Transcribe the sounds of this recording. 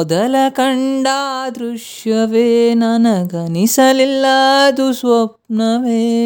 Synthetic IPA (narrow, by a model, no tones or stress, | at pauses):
ɔd̪ɐlɐkɐɳɖaːd̪ɾuʂjɐʋeːnɐnɐɡɐnisɐlilːad̪usʋɐp̚nɐʋeː